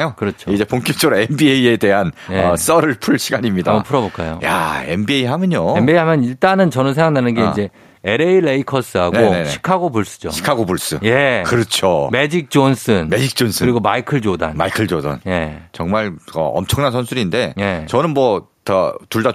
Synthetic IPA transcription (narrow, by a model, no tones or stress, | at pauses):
jokɯɾʌt͡ɕʰoid͡ʑe̞poŋk͈ʰik̚t͡ɕ͈ʰʌɾoenbieie̞de̞ɦanjeʌs͈ʌɾɯɭpʰuɭɕʰiɡaɲimɲidapʰuɾʌboɭk͈ajo̰ja̰embieiɦamjɯɲoembieiɦamjʌniɭt͈anɯnt͡ɕʌnɯns̬ʰeŋɡaŋnanɯnɡe̞ind͡ʑe̞ | eɾeiɾeikʰʌs͈ɯɦaɡonɕʰi̥kʰaɡobuɭs͈u̥d͡ʑo̰ɕʰi̥kʰaɡobuɭs͈ɯje̞kɯɾʌt͡ɕʰome̞d͡ʑik̚t͡ɕ͈ons͈ɯnmed͡ʑik̚t͡ɕ͈ons͈ʰɯkɯɾiɡomaikʰɯɭd͡ʑoda̰nma̰ikʰɯɭd͡ʑoda̰nje̞t͡ɕʌŋmaɭʌ̰ʌ̰mt͡ɕʰʌŋnansʰʌnsʰuɾinde̞je̞t͡ɕʌnɯnmʌtʌtuɭda